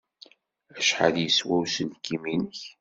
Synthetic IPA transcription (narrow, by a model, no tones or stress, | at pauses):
æʃħə̰ljəswæwsənkːiminəç